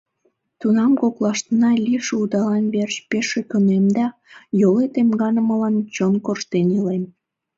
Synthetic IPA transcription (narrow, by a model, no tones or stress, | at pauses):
t̪unɑmkoklɑʃt̪ənɑlʲiʃud̪ɑlɑnβert͡ɕpeʃekønemd̪ɑ | jolet̪emɡɑnəməlɑnt͡ɕonkorʃt̪enilem